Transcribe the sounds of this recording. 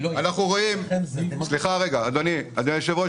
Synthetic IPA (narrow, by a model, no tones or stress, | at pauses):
anaχnuʁoimsliχaʁeɡaːd̪oniad̪oniʃevo